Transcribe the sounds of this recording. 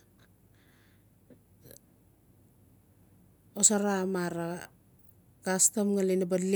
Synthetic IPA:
osaɾamaɾa | kastamŋalinabadli

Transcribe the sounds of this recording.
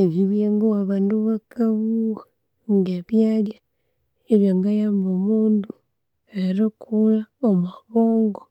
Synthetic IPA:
eβiβjeŋɡawaβaːnduβakaβua | ŋɡeβjalja | eβjaŋɡajaːmbomuːndu | eɾakʰulaomaβoːŋɡo

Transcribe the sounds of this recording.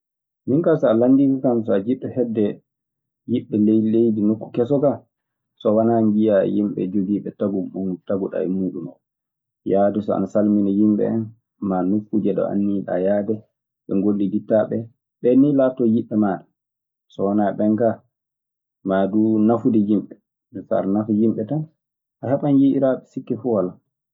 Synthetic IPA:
jiŋkasɔalandikɔkamsɔad͡ʒiɗːɔhɛdːɛ | jiɓːɛlelejdinokːu̥kɛsɔka | sɔwanaŋɡijajimɓɛ̰d͡ʒoɡiːɓɛtaɡutaɡuɗa̰ɛ̰muːɗumɔ | jaːdɛsɔa̰nasalminɛjimɓɛ̰ɛn | manukːud͡ʒɛɗɔ̰ʔa̰nːiɗa̰jadɛ | ɓɛŋɡolːiditːaɓɛ | ɓɛnilatːɔjiɓːɛmaɗa | sɔwanaɓɛŋɡa | madunafudɛjimɓɛ | ɛfa̰ɾnafujimɓɛtan | ʔahɛɓanjiʔiɾaɓɛsikːɛfuwala

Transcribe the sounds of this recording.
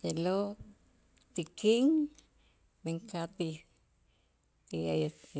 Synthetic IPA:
jelo | t̪ikʰiŋ | meŋkat̪i | t̪iaja

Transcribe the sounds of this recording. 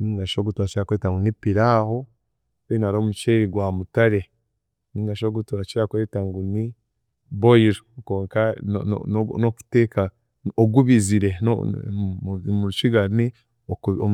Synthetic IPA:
niŋɡaʃoɡutuat͡ʃiɾakwetaŋɡunipiɾaːho | einaɾoːmut͡ʃeːɾiɡwaːmutaɾe̞ | niŋɡaʃoɡutuat͡ʃiɾakwe̞ːtaŋɡuni | boiɾoko̞ːŋka̰ | noku̥teːka | oɡuβiziɾe̞no̰ | muɾut͡ʃiɡani | oo

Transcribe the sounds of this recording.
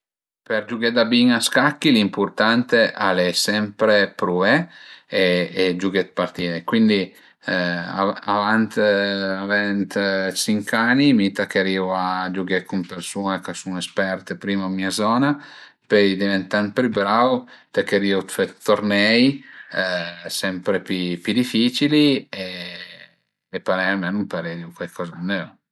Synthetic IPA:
peɾd͡ʒuɡed̪abiŋaskakːilimpuɾt̪ant̪eʔalesɛmpɾepɾueeːd͡ʒuɡet̪̚part̪iːnekwind̪i | aavant̪avɛnt̪t͡ʃiŋkanːimit̪akeɾiuad͡ʒuɡekumpersuːnekasunespɛrt̪epɾiːmamːiazɔːna | pøjd̪ivent̪ant̪pɾybɾawt̪akːeɾiːut̪fet̪ːornɛj | sɛmpɾepipid̪ifiːt͡ʃilie | epːaɾɛjamɛnumpaɾeɾiukwalkʰɔːzanːɛo

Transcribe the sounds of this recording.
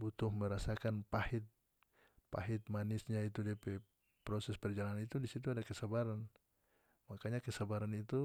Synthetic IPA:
but̪ʊhməɾasakanpahɪt̪̚ | paɦɪt̪̚manisɲait̪udiapɛ | pɾɔsɛspɛrd͡ʒalannit̪udisit̪̬uadakəsabaɾan | makaɲakəsabaɾanit̪u

